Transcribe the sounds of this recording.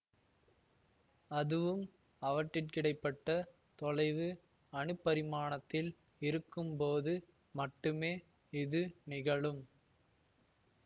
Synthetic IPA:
ɐðɯʋɯm | ɐʋɐʈːɪʈkɪɽɐɪpːɐʈːɐ | t̪ɔɻɐɪʋɯ | ɐɳɯpːɐɾɪmaːɳɐt̪ːɪl | ɪɾɯkːɯmpoːðɯ | mɐʈːɯmeː | ɪðɯnɪɣɐɭɯm

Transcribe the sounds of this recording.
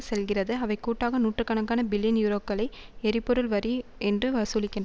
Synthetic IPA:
sɛlɣɪrɐðɯɐʋɐɪkuːʈːaːɣɐnuːʈrɯkːɐnɐŋkːaːnɐbɪlːinjuːɾoːpɡɐɭɐɪɛɾɪpːɔɾɯlʋɐɾiɛndrɯʋɐsuːlɪkːɪnd

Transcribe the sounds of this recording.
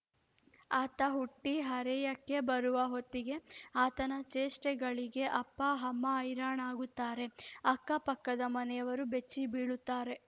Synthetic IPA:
aːt̪ɐɦuʈːiɦɐɾɛjɐkːe̞bɐɾuʋɐɦot̪ːiɡe̞aːt̪ɐnɐt͡ʃeːsʈɛɡɐɭiɡe̞ʔɐpːɐɦɐmːɐɐjɾaːɳaːɡut̪ːaːɾe̞ɐkːɐpɐkːɐd̪ɐmɐnɛjɐʋɐɾube̞t͡ʃːibiːɽut̪ːaːɾe̞

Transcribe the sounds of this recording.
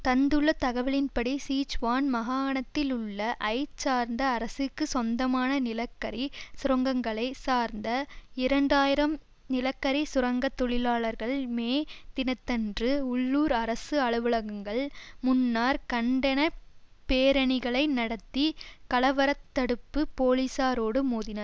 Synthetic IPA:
t̪ɐnd̪ɯɭːɐt̪ɐɣɐʋɪlɪnpɐɽisiːt͡ʃʋaːnmɐɣaːɐɳɐt̪ːɪlʊɭːɐʔɐɪt͡ʃːaːɾnd̪ɐːɾɐsɯkːɯsɔnd̪ɐmaːnɐnɪlɐkːɐɾisʊɾɐŋɡɐŋɡɐɭɐɪsaːɾnd̪ɐɪɾɐɳɖaːjɪɾɐm | nɪlɐkːɐɾisʊɾɐŋɡɐt̪ːɔɭɪlaːɭɐɾɣɐɭmeːt̪ɪnɐt̪ːɐndrɯʊɭːuːɾɐɾɐsɯɐɭɯʋɯɭɐɣɯŋɡɐɭmʊnːaːɾkɐɳɖɐnɐpeːɾɐɳɪɣɐɭɐɪnɐɽɐt̪ːikɐɭɐʋɐɾɐt̪ːɐɽɯpːɯpoːlisaːɾoːɽɯmuːðɪnɐɾ

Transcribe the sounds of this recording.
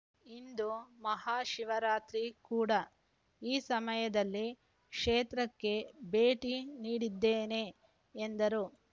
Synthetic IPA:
ind̪umɐɦaːʃiʋɐɾaːt̪ɾikuːɽɐ | iːsɐmɐjɐd̪ɐlːi | kʂeːt̪ɾɐkːe̞be̞ːʈiniːɽid̪ːeːne̞ː | nd̪ɐɾu

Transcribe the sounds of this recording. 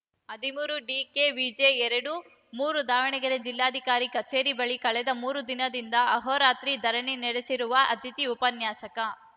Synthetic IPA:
ɐd̪ʱimuːɾuɖiːkeʋid͡ʒeɛɾɐɽu | muːɾud̪aːʋɐɳiɡɐɾed͡ʒilːaːd̪ʱikaːɾikɐt͡ʃeːɾibɐɭikɐɭɛd̪ɐmuːɾud̪inɐd̪ind̪ɐʔɐɦoːɾaːt̪ɾid̪ʱɐɾɐɳinɛɽesiɾuʋɐʔɐt̪it̪iupɐnjaːsɐkɐ

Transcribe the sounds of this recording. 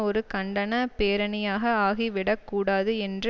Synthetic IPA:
ɔɾɯkɐɳɖɐnɐpeːɾɐnɪjaːɣɐaːɣiʋɪɽɐkːuːɽaːðɯɛndr

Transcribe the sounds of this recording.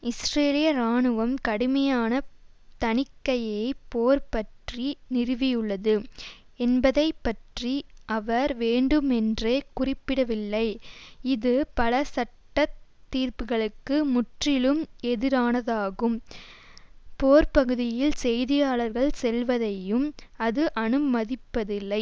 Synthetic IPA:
ɪsɾeːlɪjɐɾaːɳɯʋɐmkɐɽɯmɐjaːnɐ | t̪ɐnɪkːɐjɐjɐɪpoːɾpɐʈrinɪrɯʋɪjɯɭːɐðɯ | ɛnbɐðɐɪpːɐʈriɐʋɐɾʋeːɳɖɯmɛndreːkʊrɪpːɪɽɐʋɪlːɐɪɪðɯpɐlɐsɐʈːɐt̪ːiːɾpɯɣɐɭɯkːɯmʊʈrɪlɯmɛðɪɾaːnɐðaːɣɯm | poːɾpɐɣɯðɪjɪlsɛjðɪjaːɭɐɾɣɐɭsɛlʋɐðɐjɯmɐðɯʔɐnɯmɐðɪpːɐðɪlːɐɪ

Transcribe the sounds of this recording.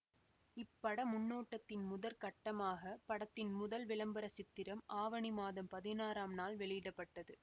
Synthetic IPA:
ɪpːɐɽɐmʊɳːoːʈːɐt̪ːɪnmʊðɐɾkɐʈːɐmaːɣɐpɐɽɐt̪ːɪnmʊðɐlʋɪɭɐmbɐɾɐsɪt̪ːɪɾɐmaːʋɐɳɪmaːðɐmpɐðɪnaːɾaːmnaːlʋɛɭɪjɪɽɐpːɐʈːɐðɯ

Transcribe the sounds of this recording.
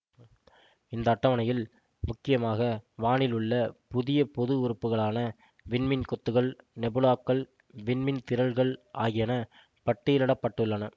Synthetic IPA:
ɪnd̪ɐːʈːɐʋɐnɐjɪl | mʊkːɪjɐmaːɣɐʋaːɳɪlɯɭːɐpʊðɪjɐpɔðɯʊɾɯpːɯɣɐɭaːnɐ | ʋɪɳmɪnkɔt̪ːɯɣɐɭnɛbɯlaːkːɐɭ | ʋɪɳmɪnt̪ɪɾɐlɣɐɭʔa̰ːɣɪjɐnɐ | pɐʈːɪjɪlɪɽɐpːɐʈːɯɭːɐnɐ

